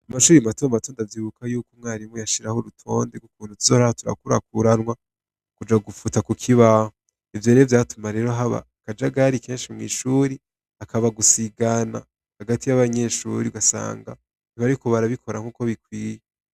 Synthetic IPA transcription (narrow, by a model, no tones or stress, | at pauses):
amaʃuːɾimatomato̞ːndavjiːβukʰajuːkomŋaːɾimojaʃiɾahoɾutʰo̞ːndeɡukuːn̥utuzoahotuɾa̰kuɾa̰kuɾanŋwa | kud͡ʒaɡufutakukʰiβaho | ivjo̞ːɾovjaːtumaɾe̞ɾoɦaβa̰ | kad͡ʒaɡaɾikʰe̞ːnʃimŋḭːʃuːɾi | akʰaβaɡusiɡana̰ | haɡatijaβaɲe̞ʃṵːɾiuɡasa̰ːŋɡa̰ | niβaɾiko̞βaɾaβikʰo̞ɾaŋ̥uːko̞βikwiːje